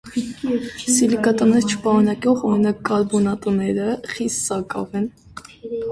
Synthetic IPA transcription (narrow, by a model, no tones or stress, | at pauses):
silikɑt̪ənɛɾt͡ʃʰə̥pɑɾunɑkjɔχɔɾinɑkːɑɾbɔnɑt̪ənɛɾəχisːɑkɑ̰vɛn